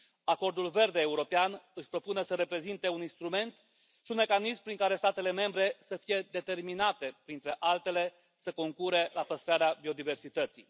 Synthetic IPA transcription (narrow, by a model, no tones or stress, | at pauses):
ako̞rd̪ulve̞rd̪eːuɾo̞peanɨʃʲpɾo̞punesəɾe̞pɾe̞zint̪e̞uninst̪ɾume̞nt̪ | ʃiunme̞kanismpɾiŋkaɾe̞st̪at̪e̞le̞me̞mbɾe̞səfije̞d̪e̞t̪e̞rminat̪e̞pɾint̪ɾe̞ʔalt̪e̞le̞ | səko̞ŋkuɾe̞lapəst̪ɾaɾeabio̞d̪ive̞rsit̪ət̪sḭj